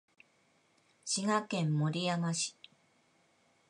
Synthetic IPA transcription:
ɕiɡakẽ̞mːo̞ɾʲijaɡaɕi̥

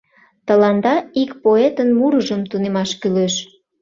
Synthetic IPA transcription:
t̪əlɑnd̪ɑikpoet̪ənmuɾəʒəmt̪unemɑʃkyløʃ

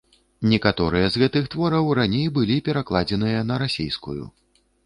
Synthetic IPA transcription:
nʲɛkat̪ɔɾɨjɐzɣɛt̪ɨxt̪vɔɾɐwranʲejbɨlʲipʲɛɾaklˠad͡zʲɛn̪ɨjɐnɐɾasʲejskujṵ

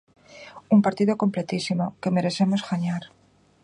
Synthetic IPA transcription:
umpaɾt̪iðoko̞mple̞t̪isimo̞ke̞me̞ɾe̞θe̞mozɣaɲaɾ

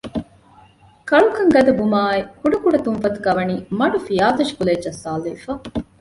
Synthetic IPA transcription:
kɐɭukɐŋɡɐd̪ɐbumaːekuɖɐkuɽɐt̪unfɐt̪u̥kɐʋɐniːmɐɖufijaːt̪ɐʃi̥kuled͡ʒːɐsːaːliːfɐ

